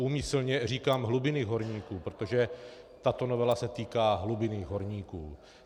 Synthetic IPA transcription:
uːmɪsl̩ɲɛriːkaːmɦlubɪnɪɦo̞ɾɲiːkuːpɾot̪o̞ʒɛ | t̪at̪o̞novɛlasɛt̪iːkaːɦlubɪnɪɦo̞ɾɲiːkṵː

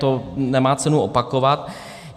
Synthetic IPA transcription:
t̪onɛmaːt͡sɛnuʔopakovat̪

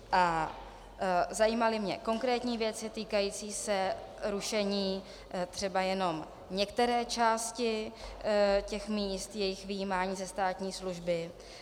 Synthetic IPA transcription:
ʔa | zajiːmalɪmɲɛ̰ko̞ŋkɾɛːt̪ɲiːvjɛt͡sɪt̪iːkajiːt͡siːsɛ | ɾuʃɛɲiː | t̪r̝̥ɛbajɛno̞m | ɲɛkt̪ɛɾɛːt͡ʃaːscɪ | cɛxmiːst̪jɛjɪxvɪjiːmaːɲiːzɛst̪aːt̪ɲiːsluʒbɪ

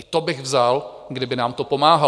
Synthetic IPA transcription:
ɪt̪obɪɣvzal | ɡdɪbɪnaːmt̪opo̞maːɦa

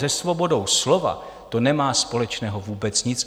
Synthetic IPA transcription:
zɛsvo̞bo̞dowslo̞va̰ | t̪o̞nɛmaːspo̞lɛt͡ʃnɛːɦo̞vuːbɛt͡sɲɪt͡s

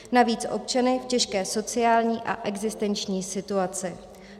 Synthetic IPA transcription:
naviːt͡sʔo̞̰p̚t͡ʃanɪfcɛʃkɛːso̞t͡sɪaːlɲiːʔa̰ʔɛɡzɪst̪ɛnt͡ʃɲiːsɪt̪uat͡sɪ

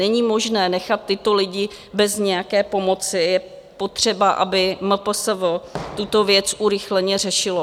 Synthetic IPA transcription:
ɛɲiːmo̞ʒnɛːnɛxat̪ːɪt̪o̞lɪɟɪ | bɛzɲɛjakɛːpo̞mo̞t͡sɪjɛ | po̞t̪r̝̥ɛbaʔa̰bɪməpəsəvot̪ut̪o̞vjɛt͡sʔuɾɪxlɛɲɛr̝ɛʃɪlo

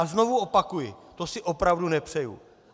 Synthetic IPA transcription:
zno̞vuo̞pakujɪt̪o̞sɪʔo̞pɾavdunɛpr̝̥ɛjṵ

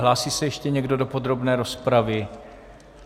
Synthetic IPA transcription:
laːsiːsɛjɛʃcɛɲɛɡdo̞do̞po̞d̪ɾo̞bnɛːɾo̞spɾavɪ

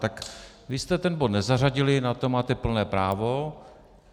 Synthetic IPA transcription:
t̪ak | vɪst̪ɛt̪ɛnbod̪nɛzar̝aɟɪlɪnat̪o̞maːt̪ɛpl̩nɛːpɾaːvo̞

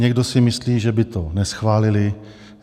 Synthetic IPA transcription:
ɲɛɡdo̞sɪmɪsliːʒɛbɪt̪onɛsxvaːlɪlɪ

